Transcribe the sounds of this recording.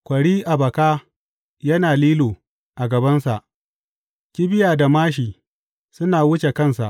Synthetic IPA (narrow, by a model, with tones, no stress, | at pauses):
kʷɐ˨ɽiː˦ʔa˨bɐ˨kaː˦ | jɐ˦naː˨liː˦loː˨ | ʔa˨ɡɐ˨bɐ˦nsa˨ʔ | kʲi˦bɪ˦jaː˨da˨maː˦ʃ̬iː˨ | sʊ˦naː˨wʊ˦t͡ʃe˨kɐ˦˨nsa̰˨ʔ